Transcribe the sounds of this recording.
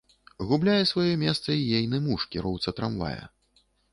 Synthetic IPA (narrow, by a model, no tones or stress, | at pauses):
ɣublʲajɛsvajɔmʲɛst̪sɐijejnɨmuʂkʲiɾɔwt̪sɐt̪ɾamva̰jɐ̰